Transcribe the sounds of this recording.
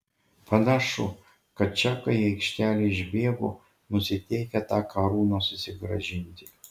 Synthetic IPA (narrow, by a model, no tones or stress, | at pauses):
pɐnʲɑʃʊ | kɐt̪̚t͡ʃʲɛkɐjɛjkʃʲt̪ʲæːlʲɪɪʒʲbʲeːɡo̰ | nʊsʲɪt̪ʲɛɪkʲɛt̪ɑːkɐɾuːnosʊsʲɪɡɾɐʒʲɪnʲt̪ʲɪ̥